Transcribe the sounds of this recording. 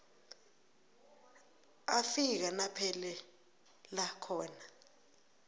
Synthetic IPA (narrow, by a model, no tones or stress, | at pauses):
afik̬anapʰɛlɛ | lakʰɔːna